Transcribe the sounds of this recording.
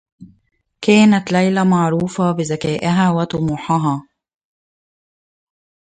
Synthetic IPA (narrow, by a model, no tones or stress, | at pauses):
kæːnat̪lajlamɑʕɾuːfabɪzakæːʔɪɦæːwat̪ʊmuːħɑɦaː